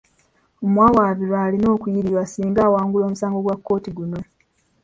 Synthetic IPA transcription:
omwaːwaːβiɾwaːlino̞ːkujiɾiɾwasiːŋɡaːwaːŋɡulo̞ːmusaːŋɡo̞ɡwakːo̞ːtiɡuno̞

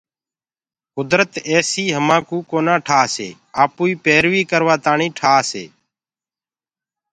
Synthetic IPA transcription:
kʊd̪ɾət̪eːsiːɦəmãːkuːkoːnãːʈʰaːsḛː | aːpuːiːpeːɾʋiːkəɾʋaːt̪aːɳĩːʈʰaːsḛː

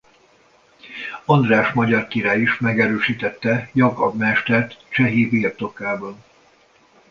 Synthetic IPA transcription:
ɔnd̪raːʃmɒɟɒrkiɾaːjiʃmɛɡɛɾøːʃiːt̪ɛt̪ːɛjɒɡɒ̰bmɛʃt̪ɛrt̪t͡ʃɛɦivirt̪o̞kaːbɒn

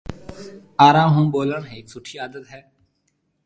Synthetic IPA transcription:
aːɾãːmɦũːboːlənɦɛsʊʈʰiːaːd̪ət̪ɦɛː

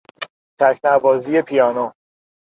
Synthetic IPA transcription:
t̪ʰækʰnæbɒːzije̞pʰijɒːno

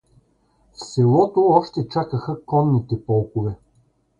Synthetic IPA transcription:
fsɛlˠɔt̪oɔʃt̪ɛt͡ʃakəxəkɔnːit̪ɛpɔlˠkovɛ

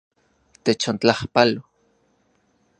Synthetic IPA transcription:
t̪et͡ʃont͡ɬahpalo

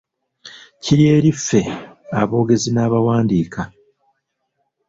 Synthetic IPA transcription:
ciɾje̞ːɾifːe̞aβo̞ːɡe̞zinaːβawaːndiːka

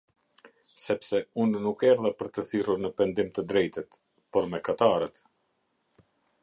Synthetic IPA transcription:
sɛpsɛunːukɛɾðɛpəɾt̪əθiruɾnəpɛnd̪imt̪əd̪ɾɛjt̪ət̪ | pɔɾmɛkat̪aɾət̪

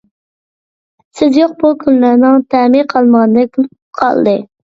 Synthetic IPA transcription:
sɪzjoq̚bukʲʰynlæɾnɪŋt̪ʰæmiqʰɑlˠməʁnd̪ɨkʲʰyl | qʰɑ̰lˠd̪ɨ

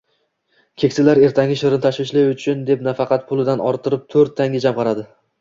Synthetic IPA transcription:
kʲʰe̞kʲsɪlaɾe̞ɾt̪ʰaŋʲɪʃɪɾɪnɪt̪ʰaʃwɪʃlɪjʊt͡ʃʰʊnd̪e̞pnafɑqʰɑt̪̚pʰʊlˠɪd̪anɒɾt̪ʰɪɾɪp̚t̪ʰɵɾt̪ʰːaŋʲɪd͡ʒamqʰɑɾad̪ɪ

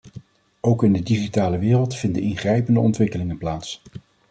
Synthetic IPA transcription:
owkɪndədiχitaːləʋɪːrəlˠtfɪndəɪnχrɛjpəndəɔ̰ntʋɪkəlɪŋənplaːts

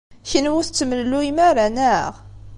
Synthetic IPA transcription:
çənwʊθt͡sːəməllːuimæɾænæʁ

